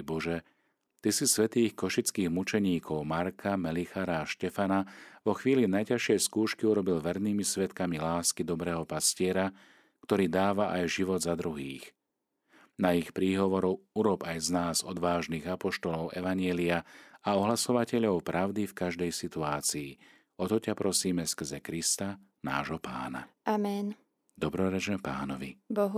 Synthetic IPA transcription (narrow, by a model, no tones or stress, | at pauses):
bɔʒɛ | t̪isisʋɛt̪iːxkɔʃit͡skiːɣmut͡ʃɛɲiːkʰɔʊmaɾkʰamɛlixaɾaːʃcɛfanaʋɔxʋiːlinajcaʃɪɛjskuːʃkiuɾɔbilʋɛɾniːmisʋɛt̪kamilaːskid̪ɔbɾɛːɦɔpascɪɛɾa | kt̪ɔɾiːd̪aːʋaʔajʒiʋɔd̪zad̪ɾuɦḭːx | naixpɾiːɦɔʋɔɾɔuɾɔbajznaːzɔd̪ʋaːʒniːɣapɔʃt̪ɔlɔʊʔɛʋaɲjɛliaaɔɦlasɔʋacɛʎɔʊpɾʔaʊd̪ifkaʒd̪ɛjsit̪uaːt͡siː | ɔt̪ɔcapɾʔɔsiːmɛskr̩zɛkɾist̪a | na̰ːʒɦɔpa̰ːna̰amɛn | d̪ɔbɾɔɾɛt͡ʃnɛpa̰ːnɔʋḭbɔɦ